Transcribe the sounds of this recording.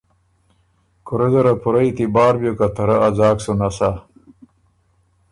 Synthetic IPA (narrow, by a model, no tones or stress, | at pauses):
kuɾezɐɾɐpʰuɾɐit̪ibaːɾbjokat̪ʰɐɾɐɐzaːksunɐsa